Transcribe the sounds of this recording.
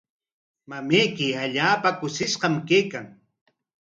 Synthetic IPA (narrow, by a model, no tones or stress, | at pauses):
mamejkɪaʎaːpakʊsɪsqɑmkejkaŋ